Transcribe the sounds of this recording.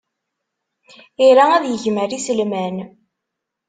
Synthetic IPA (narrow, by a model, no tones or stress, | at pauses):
iɾaæðjəʝməɾisəlmæn